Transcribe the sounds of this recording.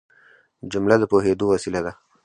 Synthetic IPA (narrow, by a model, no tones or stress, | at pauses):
d͡ʒʊmlad̪əpoɦed̪owasilad̪a